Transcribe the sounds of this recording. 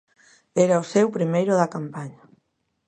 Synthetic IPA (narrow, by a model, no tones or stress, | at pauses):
ɛɾaosewpɾimejɾʊðakampaɲa